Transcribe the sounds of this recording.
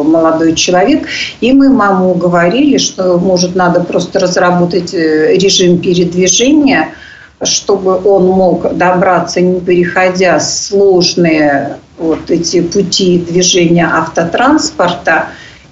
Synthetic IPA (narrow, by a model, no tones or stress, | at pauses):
məlˠɐd̪o̞jt͡ɕɪlˠɐvʲekimɨmamuɡəvɐɾʲilʲɪʂt̪o̞moʐɨt̪nad̪əpɾo̞st̪ərəzrɐbo̞t̪ətʲɾʲɪʐɨmpʲɪɾʲɪd̪vʲɪʐɛnʲɪjə | ʂt̪o̞bɨʔo̞nmo̞kd̪ɐbɾat̪sənʲɪpʲɪɾʲɪxɐdʲaslˠo̞ʐnɨjə | vo̞t̪ɛtʲɪpʊtʲid̪vʲɪʐɛnʲɪjəʔaft̪ət̪ɾanspərt̪ə